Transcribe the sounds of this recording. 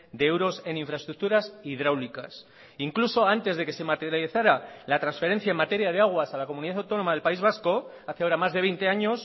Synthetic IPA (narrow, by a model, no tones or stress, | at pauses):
d̪eewɾo̞se̞niɱfɾaest̪ɾuk̚t̪uɾasiðɾawlikas | iŋkluso̞ant̪e̞zðe̞ke̞se̞mat̪eɾjaliθaɾalat̪ɾansfe̞ɾe̞n̟θjaemat̪e̞ɾjað̞e̞aɣ̞wasalako̞mũniðaθawt̪o̞no̞maðelpaizβ̞asko̞ | aθjaoɾamazðeβ̞e̞jnt̪e̞aɲo̞s